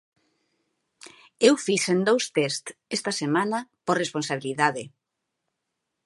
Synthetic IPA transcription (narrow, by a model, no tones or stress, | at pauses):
ewfiʃend̪owst̪est̪est̪ɐsemanɐporesponsaβ̞iliðaðe